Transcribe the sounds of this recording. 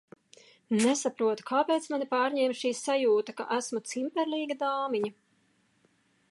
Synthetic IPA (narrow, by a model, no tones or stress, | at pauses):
nɛsapɾuɔt̪u̥kʰaːpeːt̪smanipaːɾɲɛːmʃiːsajuːt̪aka̰ʔæsmut̪simpɛɾliːɡad̪aːmiɲa